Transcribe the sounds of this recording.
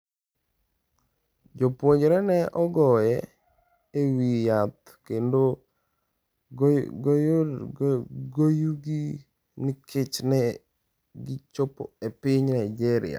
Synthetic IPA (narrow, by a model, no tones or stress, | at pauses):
d͡ʒopwoɲd͡ʒɾɛnɛʔɔɡɔjɛ | ewijat̪ | kendo | ɡojo | ɡojuɡi | nɪkʰɪt͡ʃnɛ | ɡɪt͡ʃopɔ̰epɪɲnaɪd͡ʒɛɾɪ̰ja̰